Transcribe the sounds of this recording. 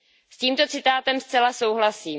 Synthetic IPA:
sciːmt̪o̞t͡sɪt̪aːt̪ɛmst͡sɛlaso̞wɦlasiː

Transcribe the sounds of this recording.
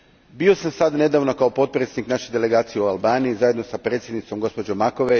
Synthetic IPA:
bio̞samsad̪ne̞d̪aːʋno̞kaopo̞t̪̚pɾet̪sed̪niknaːʃed̪e̞le̞ɡaːt̪sijeualˠbaːniːzajed̪nosapɾet̪sje̞d̪nit̪so̞mɡo̞spo̞d͡ʑo̞mːako̞ʋe

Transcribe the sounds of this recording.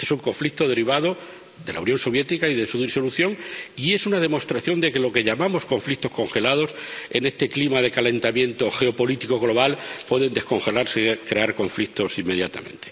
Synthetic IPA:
esuŋko̞ɱflikt̪oð̞e̞ɾiβ̞að̞o | ðe̞la̰unjo̞nso̞β̞je̞t̪ikaiðesuðiso̞luθjo̞ŋie̞sunað̞e̞mo̞st̪ɾaθjo̞nd̪e̞ke̞lo̞ke̞ʎamamo̞sko̞ɱflik̚t̪o̞sko̞ŋxe̞lað̞o̞se̞ne̞st̪e̞klimað̞e̞kale̞nt̪amjẽ̞nt̪o̞xe̞o̞po̞lit̪iko̞ɣ̞lo̞β̞alpwe̞ðe̞nd̪e̞sko̞ŋxe̞laɾsekɾe̞aɾko̞ɱflik̚t̪o̞simːe̞ð̞jat̪a̰mẽ̞̰nt̪e̥

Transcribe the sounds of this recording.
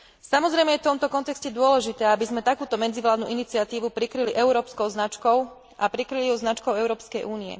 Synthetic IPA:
samɔzɾɛjmɛjɛft̪ɔmt̪ɔkɔnt̪ɛkscɛd̪ʊɔlɛʒit̪ɛːabizmɛt̪akuːt̪ɔmɛd͡ziʋlaːd̪nṵʔinit͡siat̪iːʋupɾikɾiliʔɛʊɾɔːpskɔʊznat͡ʃkɔʊ | ʔapɾikɾiliuznat͡ʃkɔʊɛʊɾɔːpskɛjʔuːniɛ̰

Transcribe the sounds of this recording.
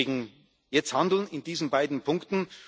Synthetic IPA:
ɡŋ̩ | jɛt͡sthandl̩nɪndiːzn̩baɪdn̩pʰʊŋktn̩

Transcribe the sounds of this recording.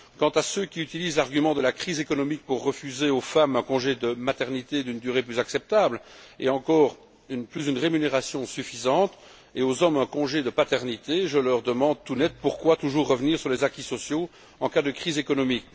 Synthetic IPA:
kɑ̃t̪asøkʲiyt̪iliːzlaʁɡymɑ̃d̪əlakχizekɔnɔmik̚puʁːəfyzeofamɛ̃kɔ̃ʒed̪əmat̪ɛʁnit̪ed̪ynd̪yʁeplyzaksɛp̚t̪ablḛɑ̃kɔːʁ | ynplysynʁemyneʁasjɔ̃syfizɑ̃t̪ | eozɔmɛ̃kɔ̃ʒed̪əpat̪ɛʁnit̪eʒəlœʁd̪əmɑ̃d̪̚t̪unɛt̪̚puʁkwat̪uʒuːʁːəvniːʁsyʁlezakʲisɔsjo | ɑ̃kad̪əkχizekɔnɔmik

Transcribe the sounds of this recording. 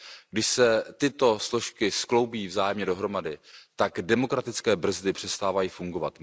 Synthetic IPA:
ɡdɪʃsɛt̪ɪt̪o̞slo̞ʃkɪsklo̞wbiːvzaːjɛmɲɛdo̞ɦɾo̞madɪt̪aɡdɛmo̞kɾat̪ɪt͡skɛːbr̩zdɪpr̥ɛst̪aːvajiːfuŋɡo̞vat̪

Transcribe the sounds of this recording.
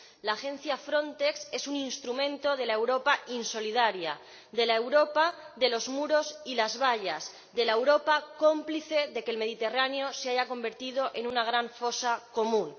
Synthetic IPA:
laxe̞n̟θjafɾo̞nt̪e̞kse̞suninst̪ɾumẽ̞nt̪o̞ð̞e̞laewɾo̞painso̞lið̞aɾja̰ | ðe̞laewɾo̞pa | ðe̞lo̞zmuɾo̞silazβ̞aʎaz | ðe̞laewɾo̞pako̞mpliθe̞ðe̞kelme̞ð̞it̪e̞raneo̞seaʝako̞mbe̞ɾt̪ið̞o̞ʔe̞nunaɣ̞ɾaɱfo̞sako̞mũn

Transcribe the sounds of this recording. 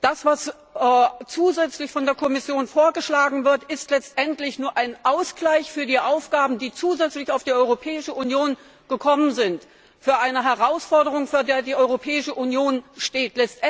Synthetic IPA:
d̥asv̥as | t͡suːzɛt͡slɪçfɔndeːɐkʰɔmɪsjoːnfoːɐɡəʃlaːɡŋ̩vɪɐtɪstlɛt͡stʔɛntlɪçnuːɐʔaɪnʔaʊsɡ̥laɪçfyːɐdiːʔaʊfɡ̥aːbm̩diːt͡suːzɛt͡slɪçaʊfd̥iːʔɔʏʁopʰɛːɪʃəʔunjoːn | ɡ̥əkʰɔmənzɪnt | fyːɐʔaɪnəɦɛʁaʊsfɔɐɾəʁ̞ʊŋfyːɐdeːɐdiːʔɔʏʁopʰɛːɪʃəʔunjoːnʃteːtʰlɛt͡st

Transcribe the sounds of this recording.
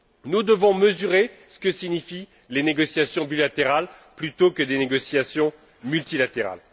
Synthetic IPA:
nud̪əvɔ̃məzyʁesə̥kəsinifi | leneɡɔsjasjɔ̃bilat̪eʁal | plyt̪okəd̪eneɡɔsjasjɔ̃ | mylt̪ilat̪eʁa̰l

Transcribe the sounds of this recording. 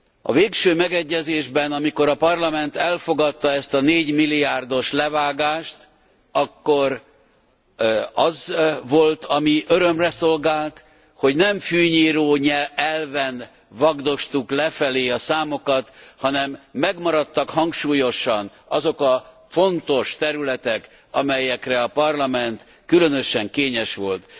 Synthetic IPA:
ɒ̰veːkʃøːmɛɡɛɟːɛzeːʒbɛnɒmiko̞ɾɒpɒrlɒmɛnt̪ɛlfo̞ɡɒt̪ːɒɛst̪ɒneːɟmilːijaːrd̪o̞ʃlɛvaːɡaːʃt̪ | ɒkːo̞ɾ | ɒzʋo̞lt̪ʰɒmiʔøɾømrɛso̞lɡaːlt̪ | ho̞ɟnɛɱfyːɲiːɾoːɲɛɛlvɛn | vɒɡd̪o̞ʃt̪uklɛfɛleːɒsaːmo̞kɒt̪hɒnɛmːɛɡmɒɾɒt̪ːɒkhɒŋkʃuːjo̞ʃɒn | ɒzo̞kɒ | fo̞nt̪o̞ʃt̪ɛɾylɛt̪ɛk | ɒmɛjɛkrɛɒpɒrlɒmɛnt̪ | kylø̞nø̞ʃɛŋkeːɲɛʃʋo̞lt̪

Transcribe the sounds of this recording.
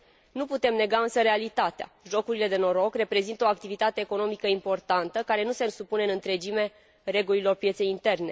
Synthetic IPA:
nuput̪e̞mne̞ɡaɨnsəɾe̞alit̪at̪ea̰ʒo̞kuɾile̞d̪e̞no̞ɾo̞kre̞pɾe̞zint̪əoak̚t̪ivit̪at̪e̞ːko̞no̞mikəimpo̞rt̪ant̪əkaɾe̞nuse̞nsupuneɨnɨnt̪ɾe̞d͡ʒime̞ | re̞ɡulilo̞rpje̞t̪se̞jint̪e̞rne̞

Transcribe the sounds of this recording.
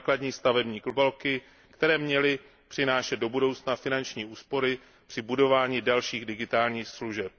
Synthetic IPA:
kladɲiːst̪avɛbɲiːklubɛlkɪ | kt̪ɛɾɛːmɲɛlɪ | pr̥ɪnaːʃɛt̪̚do̞budo̞wt͡snafɪnant͡ʃɲiːʔuːspo̞ɾɪ | pr̥ɪbudo̞vaːɲiːdalʃiːɣdɪɡɪt̪aːlɲiːxsluʒɛp̚

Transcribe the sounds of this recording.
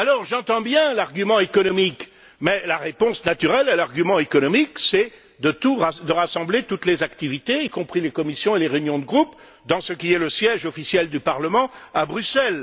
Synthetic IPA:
alɔʁʒɑ̃t̪ɑ̃bjɛ̃laʁɡʲymɑ̃ekɔnɔmik | mɛlaʁepɔ̃snat̪yʁɛlalaʁɡʲymɑ̃ekɔnɔmiksɛ | d̪ət̪uʁad̪əʁasɑ̃blet̪ut̪lezakt̪ivit̪eikɔ̃pχilekɔmisjɔ̃eleʁeynjɔ̃d̪əɡʁup | d̪ɑ̃səkʲiɛləsjɛʒɔfisjɛld̪ypaʁləmɑ̃abʁysɛl

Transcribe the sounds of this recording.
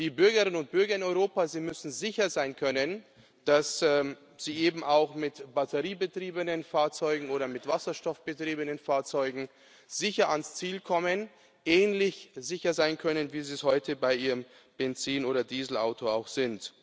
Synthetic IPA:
d̥iːbʏɐɡəʁɪnənʊnt̚b̥ʏɐɡɐɪnɔʏʁoːpaːziːmʏsn̩zɪçɐzaɪnkʰœnən | d̥asɛː | z̥iːʔeːbm̩ʔaʊxmɪtb̥atʰəʁiːbətʁ̥iːbənənfaːɐt͡sɔʏɡŋ̩oːɾɐmɪtv̥asɐʃtɔfb̥ətʁ̥iːbənənfaːɐt͡sɔʏɡŋ̩ | z̥ɪçɐʔanst͡siːlkʰɔmən | ʔɛːnlɪçzɪçɐzaɪnkʰœnənviːziːshɔʏtʰəbaɪiːʁəm | bɛnt͡siːnoːɾɐdiːzl̩a̰ʊtʰoa̰ʊxz̥ɪnt

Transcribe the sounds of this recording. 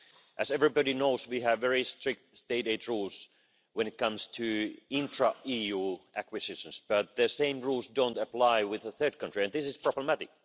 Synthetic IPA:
ʔæsɛvɹibɔɾinoʊswiævːɛɹistɹ̥ɪk̚t̪steɪɾeɪtɹuːlˠs | wɛ̃nɨt̚kʰʌ̃mstʰɨɪ̃ntʰɹaijuʔækwɨsɪʃə̃nsb̥ʌt̪̚ðɨsẽɪ̃mɹulˠsdõʊ̃ntəplaɪwɪðəθɜ˞d̚kʰʌ̃ntɹ̥iæ̃nðɪsɪspʰɹ̥ɔbləmætɪk̚

